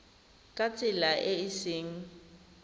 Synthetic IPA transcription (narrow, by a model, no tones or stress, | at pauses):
kʼat͡sʼɪlaʔɪɪsɪːŋ̩